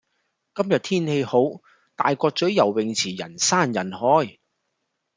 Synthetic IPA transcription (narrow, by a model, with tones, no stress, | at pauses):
kɐ˥mjɐ˨t̪ʰiː˥nhe˧jho˨˥w | t̪a̰ː˨jkʷɔː˧k̚t͡sɵ˨˥ɥjɐ˨˩wːɪ˨ŋt͡sʰiː˨˩jɐ̰˨˩nsaː˥˩njɐ˨˩nhɔː˨˥j